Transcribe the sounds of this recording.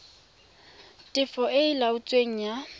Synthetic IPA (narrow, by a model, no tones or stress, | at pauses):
tʼɪfɔʔɪɪlaʊt͡sʼweŋ̩ja